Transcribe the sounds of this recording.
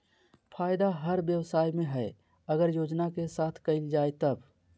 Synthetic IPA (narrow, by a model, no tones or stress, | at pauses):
pʰaːjd̪aɦəɾbjəwsaːjmẽɦɛ | əɡəɾjoːd͡ʒnakesaːt̪ʰkəɪld͡ʒaːet̪əb